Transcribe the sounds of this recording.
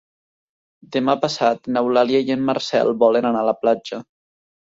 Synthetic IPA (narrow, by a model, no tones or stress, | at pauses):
d̪emapasat̪nawlaljajemːarsɛ̰lbɔlenanalaplad͡ʒa